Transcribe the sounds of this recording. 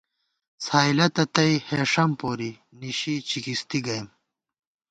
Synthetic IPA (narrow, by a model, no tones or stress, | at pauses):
saːilɐt̪ɐt̪ɐiheːʂɐmpoːɾi | niɕit͡ɕikist̪iɡɐjm